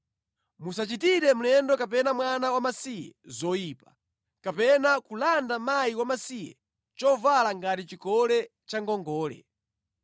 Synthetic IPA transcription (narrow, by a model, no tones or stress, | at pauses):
musat͡ʃitiɾɛm̩lɛndɔkap̬ɛnamwanawamasijɛ̰zɔjiːpḁ | kapɛnakulandamajiwamasijɛ̰ | t͡ʃɔvalaŋɡatit͡ʃikɔlɛ | t͡ʃaŋɡɔŋɡɔːlɛ̰